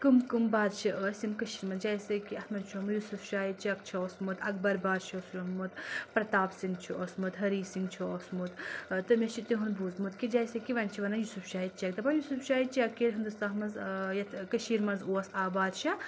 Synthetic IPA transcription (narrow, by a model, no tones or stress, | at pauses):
kɨmkɨmbaːd̪t͡ʃʰiʔəːsimkɐʃiːɾmɐnzd͡ʒaːjsɐkiɐt̪mɐnt͡ʃʰomujusufʃaːjit͡ʃɐk̚t͡ʃʰɐoːsmut̪ɐk̚bɐɾbaːd̪ʃʰɐːslɐmut̪pɾɐt̪aːpsiŋɡt͡ʃʰiʔosmut̪ɦɐɾiːsiŋɡt͡ʃʰiosmut̪t̪ɨmet͡ʃʰit̪iɦunbʱuːzmut̪kid͡ʒaːjsɐkiʋɐnʲt͡ʃʰiʋɐnɐnjusufʃaːit̪̚t͡ʃɐkt̪ɐbɐnjusufʃaːit͡ʃiɐkeːlʲɦɐnd̪ust̪aːɦmɐnzjɐt̪ʰkɐʃiːɾmɐnzoːɐsaːbaːd̪ʃɐ